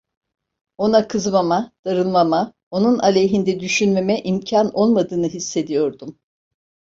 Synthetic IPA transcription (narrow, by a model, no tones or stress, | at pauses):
o̞nakʰɯzmamad̪̥aɾɯlˠmama | o̞nunalʲejɦind̪ɛd̪yʃynme̞mɛʔimcʰanʔo̞lˠmad̪ɯːnɯɦisːe̞d̪ijo̞ɾd̪um